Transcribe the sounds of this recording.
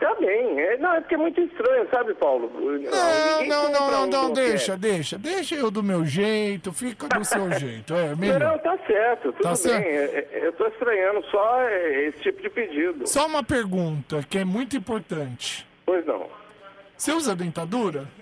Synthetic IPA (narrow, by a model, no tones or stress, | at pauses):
t̪abẽj̃ɛnɐ̃w̃ɛpʊɾkɛmũj̃t̪ʊɪst̪ɾɐ̃ɲʊsabɪpawlʊnɐ̃w̃ɐ̃w̃nɐ̃w̃nɐ̃w̃nɐ̃w̃nɐ̃w̃d̪ejʃɐd̪ejʃɐd̪ejʃɐewd̪ʊmewʒejt̪ʊfikɐd̪ʊsewʒejt̪ʊɛmĩinɐ̃w̃t̪asɛɾt̪ʊt̪ut̪adaʊbɛẽɛɛewt̪oɪst̪ɾɐɲɐ̃nd̪ʊsɔɛesɪ̥t͡ʃipʊd͡ʒɪped͡ʒid̪ʊ̰ssɔũmɐpeɾɡũnt̪ɐkɪɛmũj̃t̪ʊĩpoɾt̪ɐ̃nt͡ʃɪ̥ | pojznɐ̰̃w̃seuzɐd̪ẽnt̪ad̪uɾɐ